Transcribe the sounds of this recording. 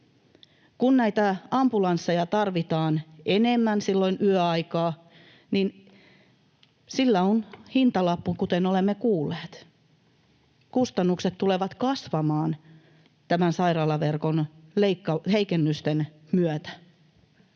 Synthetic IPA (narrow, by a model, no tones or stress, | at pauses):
kunnæit̪æɑmbulɑnsːejɑt̪ɑrʋit̪ɑːnenemːænsilːoinʔyøɑikɑː | nin | silːæonhint̪ɑlɑpːukut̪enolemːekuːlːeːt̪ | kust̪ɑnːukset̪t̪ːuleʋɑt̪kɑsʋɑmɑːn | t̪æmænsɑirɑːlɑʋerkonleikːɑheikenːyst̪en | myøt̪æ̥